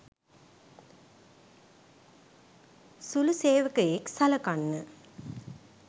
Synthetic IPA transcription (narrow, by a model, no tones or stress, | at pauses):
suluseːʋəkɐjeksalɐkanːə